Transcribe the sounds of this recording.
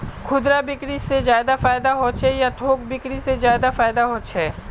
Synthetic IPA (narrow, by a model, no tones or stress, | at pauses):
kʰʊd̪ɾabɪkɽisezjaːjd̪afaːjd̪aɦõt͡ʃɦɛjat̪ʰoːk̚bɪkɽisezjaːjd̪afaːɪd̪aɦõːt͡ʃɦɛː